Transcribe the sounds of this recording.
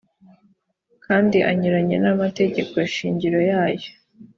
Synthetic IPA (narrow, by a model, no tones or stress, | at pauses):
kʰaːndiʔa̰ɲiɾaɲe̞̰namate̞ɟe̞koeʃiːɲɟiɾo̞jaːjo̞